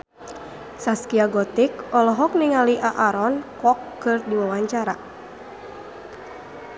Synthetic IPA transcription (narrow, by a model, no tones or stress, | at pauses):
saskiaɡɔt̪ikɔlɔɦɔk̚niŋaliʔaʔaɾɔnkɔkːɨrdiwawaɲt͡ʃaɾa